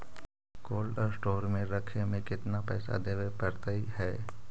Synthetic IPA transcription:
koːlɖɔːɾsʈoːɾmẽɾɐkʰemẽkɪt̪napɛ̰ːsa̰d̪eːʋepəɾt̪aihɛː

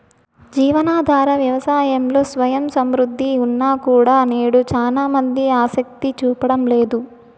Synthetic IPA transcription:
d͡ʒiːʋɐnaːd̪ʱaːɾɐʋjɐʋɐsaːjɐmlo̞ːsʋɐjɐmsɐmɾud̪ʱːiunːaːkuːɽaːneːɽut͡ʃaːlaːmɐnd̪iaːsɐk̚t̪it͡ʃuːpɐɽɐmle̞ːd̪u

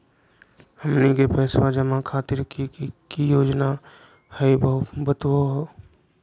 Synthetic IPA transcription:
həmnikepɛːswad͡ʒəmãkʰaːt̪ɪɾkikijoːd͡ʒna | hɛibəɦʊt̪bət̪woɦoː

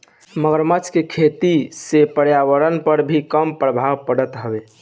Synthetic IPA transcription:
məɡəɾmət͡ʃkekʰet̪isepəɽjaʋəɾənpəɾbʱikəmpɾəbʱawpəɽət̪ɦəbe

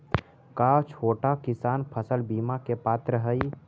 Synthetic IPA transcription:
kaːt͡ʃʰoːʈakɪsaːnpʰəsəlbiːmakepaːt̪ɾəɦəi

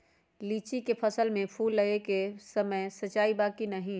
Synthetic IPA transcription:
liːt͡ʃikepʰɐsəlmẽpʰuːlːɐekesɐməjsɐt͡ʃːaːibaːkinɐɦĩ

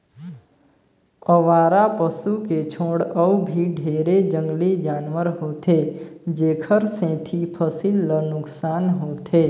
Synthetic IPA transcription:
əʋaːɾapəsuket͡ʃʰoːɽəbʱiɖʱeːɾed͡ʒə̃ŋɡlid͡ʒaːnʋəɾɦoːt̪ʰed͡ʒeːkʰəɾsẽːt̪ʰipʰəsilːənʊksaːnɦot̪ʰe

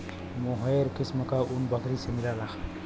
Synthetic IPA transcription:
moɦɔjɾkisməkaʔunbʌkʰɾisemilalaxʰ

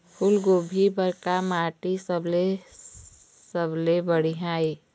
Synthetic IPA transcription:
kʰʊlɡoːbʱibəɾkamaːʈisəble | səblebəɽiɦãːe

